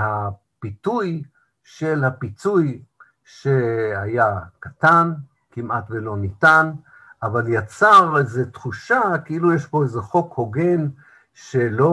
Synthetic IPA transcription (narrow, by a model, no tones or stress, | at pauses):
ha | pituj | ʃelhapit͡suj | ʃehajakatan | kimatvelo̞nitan | avaljat͡saʁezetχuʃakeilujeʃbo̞ezeχo̞kho̞ɡe̞n | ʃelo